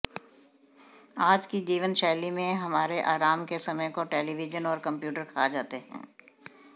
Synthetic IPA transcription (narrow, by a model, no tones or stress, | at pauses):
aːd͡ʒkid͡ʒiːʋənʃɛːlimẽɦɐmaːɾeʔaːɾaːmkesɐməjkoʈeːliʋɪd͡ʒənɔːɾkɐ̃mpjuːʈəɾkʰaːd͡ʒaːt̪eɦɛ̰̃ː